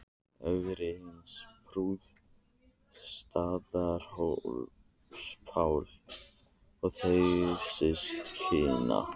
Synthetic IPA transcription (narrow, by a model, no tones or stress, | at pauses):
œvɪɾɪhɪnspʰɾuːð | st̪aːðaɾ̥ho | spʰawl | ɔɣθejɣɪɾsɪst̪hɪːna̰